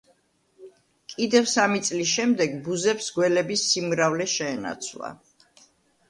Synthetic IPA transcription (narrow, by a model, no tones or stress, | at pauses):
kʼid̪ɛvsamit̪sʼlisʃɛmd̪ɛɡbuzɛpsɡwɛlɛbisːimɾavlɛʃɛːna̰t̪sʰlˠa̰